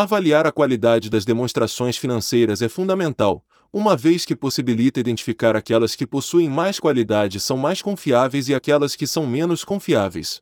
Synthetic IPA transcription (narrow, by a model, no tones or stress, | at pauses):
avaliaɾɐkwalid̪ad͡ʒɪd̪ɐzd̪emõst̪ɾasõj̃sfinɐ̃sejɾɐzɛfũd̪ɐmẽnt̪aw | ũmɐvejskɪposibilit̪ɐid̪ẽnt͡ʃi̥fikaɾakɛlɐskɪposuẽj̃majskwalid̪ad͡ʒɪsɐ̃w̃majskõfiavejzɪakɛlɐskɪsɐ̃w̃mẽnʊskõfiavḛjs